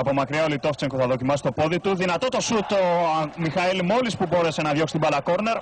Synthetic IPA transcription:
ɐpo̞mɐkɾieolit̪o̞ft͡seŋkoθɐðo̞cimɐsi̥st̪o̞po̞ðit̪uðinɐt̪o̞t̪o̞sut̪o̞mixɐilmo̞lispubo̞ɾe̞se̞nɐðʝoksi̥t̪ibɐlɐko̞ɾne̞ɾ

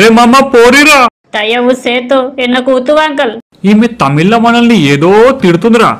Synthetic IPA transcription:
ɾeːmɐmːɐpoːɾiɾaː | t̪ɐjɐʋuseːt̪oɛnːɐkuːt̪uʋaːŋkɐl | iːmet̪ɐmilːɐmɐnɐlnieːd̪oːt̪iɽut̪und̪ɾa̰ː

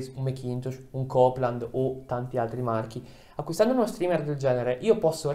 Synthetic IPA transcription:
summekint̪uʃuŋkɔpland̪ot̪ant̪ialt̪ɾimark̟i | akwist̪and̪ounost̪ɾiːmerd̪eld͡ʒɛːneɾeʔiːopɔsːo

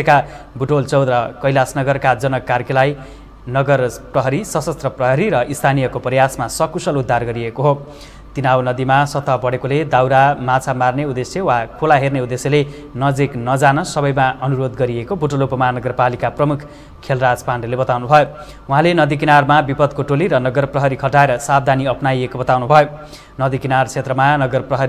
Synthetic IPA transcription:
ekabʱuʈolt͡sʌwd̪ɾʌkʌjlasnʌɡʌrkad͡zʌnʌkarkelaj | nʌɡʌrprʌɦʌɾisʌsʌst̪rʌprʌɦʌɾiɾʌʔist̪ʰanijʌkopʌrjasmasʌkusʌlud̪ʱːarɡʌɾiekoɦo | t̪inawnʌd̪imasʌt̪ʰʌbʌɽekoled̪awɾamat͡sʰamarneud̪esjʌwakʰolaɦerneud̪esjele | nʌd͡ziknʌd͡zanʌsʌbʌjmaʌnuɾod̪ɡʌɾiekobuʈolopʌmanʌɡʌrpalikaprʌmukʰ | kʰːelrad͡zpanɖʌlebʌt̪awnubʱʌjo | uɦãlenʌd̪ik̬inarmabipʌd̪koʈoliɾʌnʌɡʌrprʌɦʌɾikʰʌʈaeɾʌsab̚d̪ʱaniʌpnajekobʌt̪awnubʱʌjo | nʌd̪ikinart͡sʰet̪rʌmanʌɡʌrprʌɦʌɾi

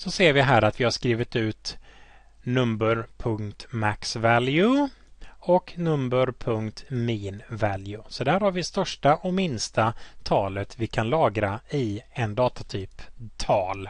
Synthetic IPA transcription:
sɔseːɾvɪɦæːɾat̪vɪhaʂkɾiːvɪt̪ʉ̟ːt̪ | nɵmbəɾpʰɵŋkt̪maksvæljʉ | ɔknɵmbəɾpʰɵŋkt̪miːnvæljɵsɔd̪æːɾhaɾvɪst̪œʂʈaʔɔmɪnst̪at̪ʰɑːlət̪vɪkʰanlɑːɡɾaɪɛnd̪ɑːt̪at̪ʰyːpt̪ʰɑːl

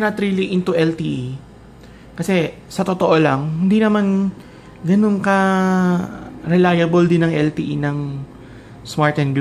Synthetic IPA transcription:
nɐt̪ɾiliʔɪnt̪ʊʔɛlt̪iʔi | kɐsɛ | sɐt̪ot̪oʔolɐŋhɪnd̪inɐman | ɡɐno̞nkɐ | ɾɛlajɐbold̪ɪnːɐŋʔɛlt̪iːʔinɐŋ | smaɹt̪ɛnɡ

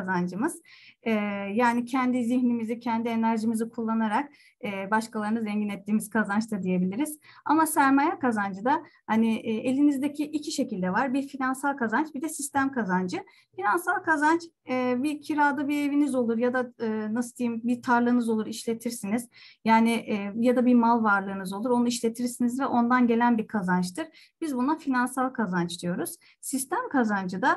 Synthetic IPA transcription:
zand͡ʒɯmɯz̥ɛːjaːnicʰɛnd̪iziçnimizicʰɛnd̪ie̞næɾʒimizikʰulˠːanaɾak | ɛːbaʃkalˠaɾɯnɯzɾɛɲɟinɛt̪ʰːiːmiz̥kʰazant͡ʃt̪ʰad̪ije̞bilʲiɾiz̥amasæɾmajakazand͡ʒɯd̪ahaniʔe̞lʲinizd̪ecʰiʔicʰiʃe̞cilʲd̪ɛvaɾbiɾfinansalˠkazant͡ʃbid̪ɛsist̪ʰæmkʰazand͡ʒɯ | finansalˠkʰazant͡ʃɯːbicʰiɾaːd̪ɯbie̞vinizo̞lˠuɾjad̪aɯːnasɯd̪ijimbit̪ʰaɾlˠɯːnɯzo̞lˠuɾiʃlʲe̞t̪ʰiɾsiniz̥jaːniʔːjad̪abimalˠvaɾlˠɯːnɯzo̞lˠuɾo̞nuiʃlʲe̞t̪ʰiɾsinizvɛʔo̞nd̪anɟe̞lʲænbikʰazant͡ʃt̪ʰɯɾ̥ | b̥izbunafinansalˠkʰazant͡ʃd̪ijo̞ɾuz̥ | sist̪ʰæmkʰazand͡ʒɯd̪a

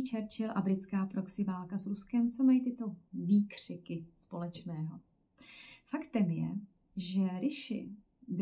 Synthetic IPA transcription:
t͡ʃɛɾt͡ʃɪlʔabɾɪt͡skaːpɾo̞ksɪvaːlkasɾuskɛmt͡so̞majit̪ɪt̪o̞viːkr̝̥ɪkɪspo̞lɛt͡ʃnɛːɦo̞ | fakt̪ɛmjɛ̰ | ʒɛɾɪʃɪ̰ | bɪ

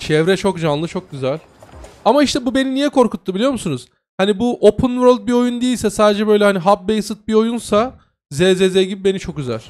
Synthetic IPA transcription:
t͡ʃʰɛvɾɛt͡ʃʰo̞kʒanlˠɯt͡ʃʰo̞k̚ɟyzælʲ | amaiʃt̪ʰɛbube̞ninijɛkʰo̞ɾkʰut̪ʰːubilʲijo̞ɾmusunuz̥ | hanibuʔopʰunvɾolʲt̪̚bio̞jund̪ijilʲsɛsaːd̪ed͡ʒɛbø̞jlʲɛhaniɦap̚bejsɯt̪̚bio̞junsa | zɛzezɛjɟibibe̞nit͡ʃʰo̞k̚ɟyzæ̰lʲ

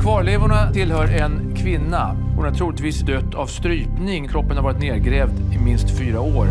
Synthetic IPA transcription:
kʰvɑːɾɭeːvʊɳat̪ʰɪlhœːɾɛn | kʰvɪnːa | hʊnat̪ʰɾuːlɪt̪viːsd̪œt̪ʰːavst̪ɾyːpnɪŋkʰɾɔpːənhaɾvɑːɾɪt̪neːɾɡɾɛːvd̪ɪmɪnst̪fyːɾaoːɾ

